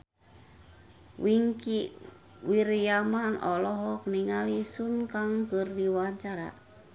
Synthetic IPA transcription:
wiŋkiʔ | wiɾjamanɔlɔɦɔkniŋalisunkaŋkərdiwaɲt͡ʃaɾa̰

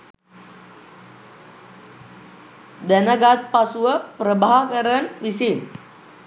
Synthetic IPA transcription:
danaɡat̪̚pasuəpəɾəbaɦakəɾənwisin

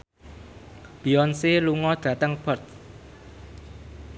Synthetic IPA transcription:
b̥iɔnseluŋɔd̪̥ä̤t̪əŋb̥ɔrt̪̚

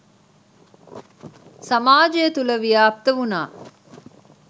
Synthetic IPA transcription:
samaːd͡ʒəjɐt̪uləʋijaːp̚t̪əʋunaː

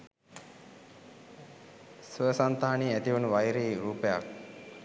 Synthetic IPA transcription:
suəsant̪aːaniːæt̪iʋunuʋajɾeːɾuːpeja̰k̚

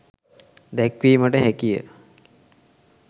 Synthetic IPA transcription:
d̪ɛkʋiːməʈəɦækijə̰

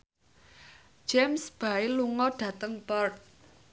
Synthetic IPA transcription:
d͡ʒ̥ɛmsb̥ailuŋɔɖ̥ä̤t̪əŋpɔrt̪̚

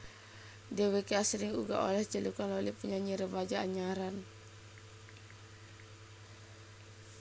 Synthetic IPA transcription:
dewekeasəɾiŋuɡa̰ʔo̰lɛht͡ʃəlukanlolipuɲaɲiɾəbad͡ʒaːɲaɾan

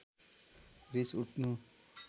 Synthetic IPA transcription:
ɾisuʈʰnu

